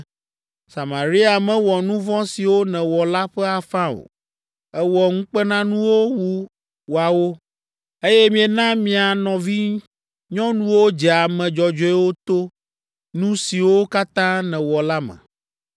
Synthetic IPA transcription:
sa˨ma˨ɾi˦a˨mɛ̃˦wɔ˨nũ˦vɔ̃˦si˨wo˦nɛ̃˨wɔ˨la˦ɸɛ˦a˨fã˦o̰˨ | ɛ˦wɔ˨ŋ̩̃˦k͡pɛ˦nã˦nũ˦wo˦wu˦ | wo˨a˨wo˦ | e˦jɛ˦mĩ˨ɛ˨nã˦mĩ˨a˨nɔ̃˨vi˦ | ɲɔ̃˦nũ˦wo˦d͡ʒɛ˨a˨mɛ̃˨d͡ʒɔ˨d͡ʒɔ˦ɛ˦wo˦t̪o˦ | nũ˦si˨wo˦ka˦t̪ã˦nɛ̃˨wɔ˨la˦mɛ̰̃˨

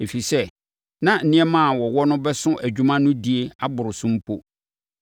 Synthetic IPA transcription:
e˨fi˨sɛ˦ | nã˦n̩˨nɪ̃˦ɛ˦mã˦˨wɔ˨wɔ˦nʊ̃˦bɛ˦sʊ̃˦ʔæ˨d͡ʑᶣu˦mã˦nʊ̃˦di˨e˦a˦bʊ˨ɾʊ˨sʊ̃˦m̩˦pʰo˦

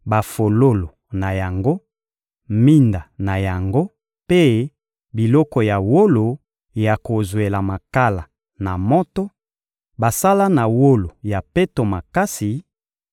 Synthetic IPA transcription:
ba˨fo˨lo˦lo˨ | na˨ja˨ŋɡo˦ | mi˦nda˨na˨ja˨ŋɡo˦ | pe˦ | bi˨lɔ˦kɔ˨ja˨wo˦lo˨ | ja˨ko˨zwe˨la˨ma˨ka˦la˨ | na˨mɔ˦tɔ˦ | ba˨sa˦la˦na˨wo˦lo˨ja˨pe˦to˨ma˨ka˦si˨

